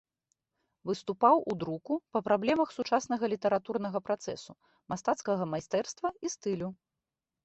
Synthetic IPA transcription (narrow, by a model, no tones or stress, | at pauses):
vɨst̪upawud̪ɾukupɐpɾablʲɛmɐxsut͡ʂasnɐɣɐlʲit̪ɐɾat̪urnɐɣɐpɾat̪sɛ̰su | mast̪at̪skɐɣɐmajst̪ɛrst̪vɐist̪ɨlʲu